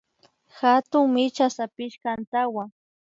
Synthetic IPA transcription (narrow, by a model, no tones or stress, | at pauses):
xat̪ʊŋmɪt͡ʃasapɪʃkant̪awa